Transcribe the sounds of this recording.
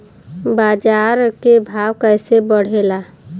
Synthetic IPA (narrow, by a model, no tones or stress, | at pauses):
bad͡ʒaɾkebʱawkəɪsebəɽ̤ela